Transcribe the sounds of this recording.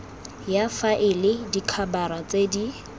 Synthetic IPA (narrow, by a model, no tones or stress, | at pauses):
jafaʔɪlɪdikʰabaɾat͡sedi